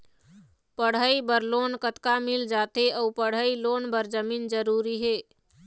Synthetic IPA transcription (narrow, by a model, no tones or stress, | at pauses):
pəɽ̤əibəɾloːnkət̪kamɪld͡ʒaːt̪eʔəupəɽ̤əiloːnbəɾd͡ʒəmiːnd͡ʒəɾuːɾiɦeː